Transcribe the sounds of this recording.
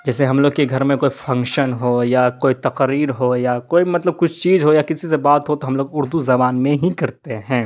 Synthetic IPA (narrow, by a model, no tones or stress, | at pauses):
d͡ʒɛːseɦɐmloːɡkeɡʱɐɾmẽkoːifʰɐ̃ŋkʃənɦojakoːit̪ɐqɾiːɾɦojakoːimɐt̪ləb̚kʊt͡ʃʰt͡ʃiːzɦojakɪsisebaːt̪ɦot̪oɦɐmloːɡʊɾd̪uzɐbaːnmẽɦikɐɾt̪eɦɛ̃ː